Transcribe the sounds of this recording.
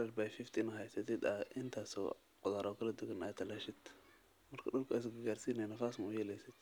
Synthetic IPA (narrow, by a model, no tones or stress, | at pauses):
ɾɐrbajfɪft̪ʰɪnɐɦɛjsɐt̪ʰɪd̪ɐʔɪnt̪ʰaːsɔ̰ | qʊðaːɾʔɔkʰɐlɐd̪ʊɡɐnaːt̪ʰːɐlɐʃɪd̪̥ | mɐrkʰɐɗʊlkʰas̬ɡɐɡaːrsiːnɛjnɐχaːsmɐʊjɛlɛjsɪd̪̚